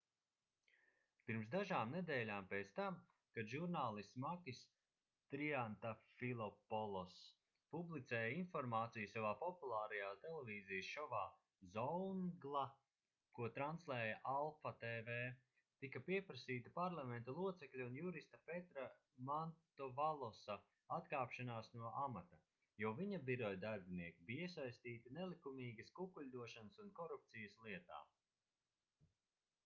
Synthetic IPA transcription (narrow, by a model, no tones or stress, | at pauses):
piɾmsd̪aʒaːmned̪ɛːlʲaːmpeːt̪st̪am | kad̪ʒuɾnaːlˠismakʲis | t̪ɾiant̪afilˠɔpɔlˠɔs | publit̪sɛːjainfɔɾmaːt̪sijusavaːpɔpulˠaːɾɐjaːst̪elˠeviːzijsʃɔvaː | zɔwŋɡlˠa | kuɔt̪ɾanslˠɛːjaʔalˠfat̪eːveː | t̪ikɐpiɛpɾɐsiːt̪ipaɾlˠamɛnt̪ɐlˠuɔt̪sɛklʲuunjuɾist̪ɐpet̪ɾa | mant̪ɔvalˠɔsa | at̪kaːpʃanaːsnuɔʔamat̪a | jɔːviɲɐbiɾɔjd̪aɾbiniɛkʲibiiɛsajst̪iːt̪inelˠikumiːɡɐskukulʲd̪uɔʃanəsunkɔɾup̚t̪sijəslˠiɛt̪a̰ː